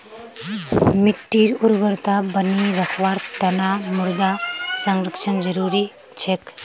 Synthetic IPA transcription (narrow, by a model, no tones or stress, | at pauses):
mitːiɾuɾbəɾt̪abəniɾɐkʰwaɾt̪ɐnamuɾd̪asaŋɾɐksɐnzɐɾuɾi | t͡ʃʰek